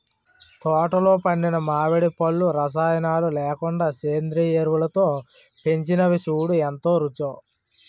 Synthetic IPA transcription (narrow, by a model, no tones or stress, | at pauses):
t̪ɔːʈɐlo̞ːpɐɳːɖinɐmaːʋeɽipɐɭːuɾɐs̬aːjɐnaːlulɛːkuɳɖaːseːnd̪ɾiːeɾʋulɐt̪o̞ː | pe̞ɲt͡ʃinɐʋisuːɽuent̪o̞ːɾut͡ʃoː